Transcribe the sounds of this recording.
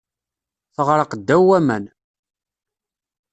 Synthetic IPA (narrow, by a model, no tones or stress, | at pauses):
θəʁɾəqd̪ːæwæmæn